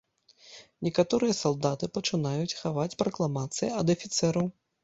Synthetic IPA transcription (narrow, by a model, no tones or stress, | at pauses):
nʲɛkat̪ɔɾɨjɐsalˠd̪at̪ɨpɐt͡ʂɨnajut͡sʲxavat͡sʲpɾɐklˠamat̪sɨjiɐd̪ɐfʲit̪sɛɾɐw